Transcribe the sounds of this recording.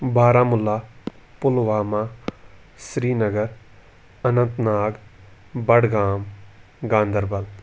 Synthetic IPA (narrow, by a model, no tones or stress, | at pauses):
baːɾãːmʊlːaː | pʊlʋaːmãː | sɾiːnəɡəɾ | ənə̃nt̪naːɡ | bəɽɡaːm | ɡãːnd̪əɾbɐl